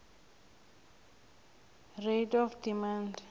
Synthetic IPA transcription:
redɔfdimand

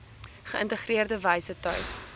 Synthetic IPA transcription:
χəəntəχriərdəvɐjsətœ̰ɥs

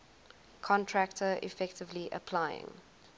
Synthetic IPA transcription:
kʰɔ̃ntʰɹæktʰəɪ̰fɛktɪvliʔə̰pʰlaɪɪ̰̃ŋ

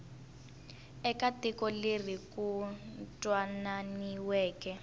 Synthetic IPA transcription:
ɛkatɛkɔlerikuntʼwananiwɛːkɛ

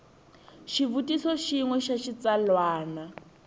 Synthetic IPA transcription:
ʃivutʼisɔʃiŋwɛʃaʃit͡salwaːna

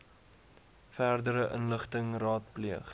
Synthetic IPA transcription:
færdəɾəʔənləχtəŋrɑːt̚pliəχ

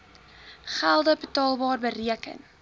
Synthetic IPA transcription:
χælˠdəbətɑːlˠbɑːrbəriəkə̰n

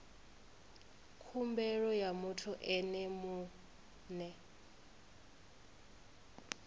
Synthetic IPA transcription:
kʰumbɛɺɔjamutʰɔʔɛnɛmu | nɛ

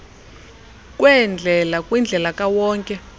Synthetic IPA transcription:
kʼwɛnd͡ɮʱɛlakʼwind͡ɮʱɛlakʼawɔːŋkʼɛ

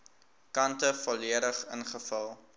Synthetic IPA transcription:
kɐntəfoliəɾəχə̰nχəfəlˠ

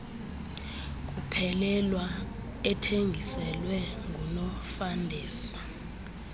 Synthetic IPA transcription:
k̬ʼupʰɛlɛlwa | ɛtʰeŋɡʱisɛlwɛŋʱunɔfandʱeːsi̥

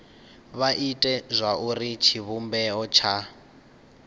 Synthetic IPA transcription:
βaʔitʼɛzʷaurit͡ʃʰiβumbɛɔt͡ʃʰa

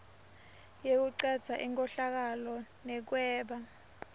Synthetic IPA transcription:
jek̬uǀad̥z̥ʱaʔiŋkʼɔɬak̬alɔnɛk̬wɛːɓa

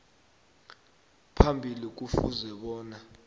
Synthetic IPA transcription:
pʰambʱilik̬ufṵzɛɓɔːna

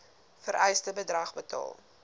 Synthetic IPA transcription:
fəɾʔɛjstəbədrɐχbətɑ̰ːlˠ

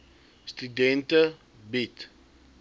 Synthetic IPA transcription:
stydɛntə | bit

